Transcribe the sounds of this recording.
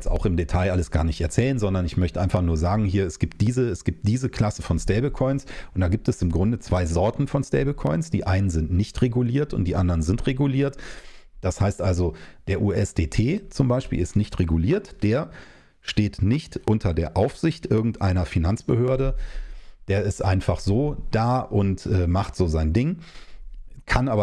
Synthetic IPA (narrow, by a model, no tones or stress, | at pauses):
ɛt͡sta̰ʊxɪmdetʰaɪʔaləsɡ̥a̰ːɐnɪçtɛɐt͡sɛːlənzɔndɐnɪçmœçtəʔaɪnfaχnuːɐzaːɡŋ̩ɦiːɐɛsɡ̥iːp̚t̚d̥iːzəɛsɡ̥iːp̚t̚d̥iːzəkʰl̥asəfɔnstɛːbəkʰɔʏnsʔʊntd̥aːɡiːp̚tɛsɪmɡʁʊndət͡sv̥aɪzɔɐtn̩fɔnstɛ̰ɪbəkʰɔʏnsd̥ḭːʔaɪnənzɪntnɪçtʁ̥eɡuliːɐtʊ̰ntd̥iːʔandɐʁənzɪntʁeɡuliːɐtd̥ashaɪstʔalzod̥eːɐʔuːʔɛsd̥eːtʰeːt͡sʊmbaɪʃpḭːlɪstnɪçtʁeɡuliːɐtd̥eːɐ | ʃteːtnɪçtʔʊntʰɐdeːɐʔaʊfz̥ɪçtʔɪɐɡŋ̩tʔa̰ɪnɐfinant͡sb̥əhøːɐɾə | d̥eːɐɪstʔa̰ɪnfaχz̥oːd̥aːʔʊntʔɛːmaχtz̥oːzaɪndɪŋ | kʰanʔaːbɐ